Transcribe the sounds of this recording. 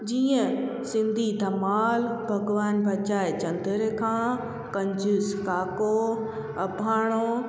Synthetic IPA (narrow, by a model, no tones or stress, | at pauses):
d͡ʑiːə̃ | sɪ̃nd̪ʱid̪ʱɐmaːlbʱɐɡʋaːnbʱɐt͡ɕaːet͡ɕɐ̃nd̪əɾekʰãː | kɐ̃ɲd͡ʑʱʊskaːko | ɐbʱaːɽ̃o